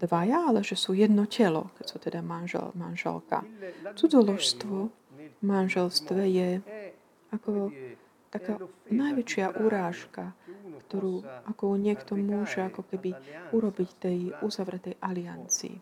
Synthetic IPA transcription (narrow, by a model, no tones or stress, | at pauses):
d̪̥ʋajaalɛʒɛsujɛd̪nɔcɛlɔ̰kɛcsut̪ɛd̪amanʒɛ̰lmanʒɛ̰lka̰t͡sud͡zɔlɔʃst̪ʋɔ | manʒɛlst̪ʋɛjɛ | akɔ | t̪akaːnajʋɛt͡ʃɪaʔuɾaːʃkakt̪ɔɾuːʔakɔɲɪɛkt̪ɔmʊɔʒɛakɔkɛbiuɾɔbict̪ɛjuzaʋɾɛt̪ɛjʔaliant͡sḭː